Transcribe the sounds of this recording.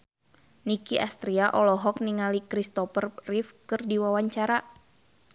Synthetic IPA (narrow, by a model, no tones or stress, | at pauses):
nikiʔast̪ɾiaʔɔlɔɦɔk̚niŋalikɾist̪ɔpərrifkɨrdiwawaɲt͡ʃaɾa